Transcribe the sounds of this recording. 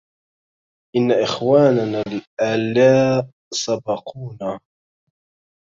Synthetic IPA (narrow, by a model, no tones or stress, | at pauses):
ʔɪnːaʔɪxwaːnanaːlʔalaː | sˤɑbɑqʰuːnaː